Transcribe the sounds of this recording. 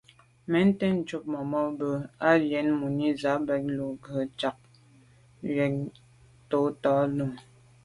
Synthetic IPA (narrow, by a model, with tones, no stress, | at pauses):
mɛ˨˦n˦te˦n̩˨t͡ʃu˦p̚mɔ˨mɔ˦bə˨a˦jɛ˨˦nmu˨ni˦za˨˦bɛ˨k̚lu˨ɡə˨˦t͡ʃa˨k̚ | jɛ˨˦k̚ | to˨˦tɔ˨˦lə˨ŋ